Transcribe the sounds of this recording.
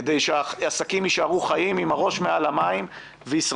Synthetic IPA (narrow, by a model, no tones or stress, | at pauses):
d̪ejʃeaasakimiʃaʁuχajimimaʁo̞ʃmealamaim | veisʁ